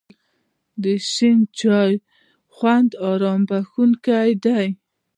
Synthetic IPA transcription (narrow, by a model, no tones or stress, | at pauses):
d̪əʃɪnt͡ʃɑj | xwand̪ɑɾɑmbaxunkajd̪aj